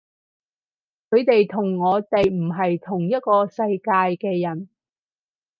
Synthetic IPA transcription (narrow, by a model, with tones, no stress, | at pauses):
kʰɵ˨˧ɥt̪e˨jt̪ʰʊ˨˩ŋːɔː˨˧t̪e˨jm̩˨˩ɦɐ˨jt̪ʰʊ˨˩ŋjɐ˥t̚kɔː˧sɐ˧jkaː˧jkɛː˧jɐ˨˩n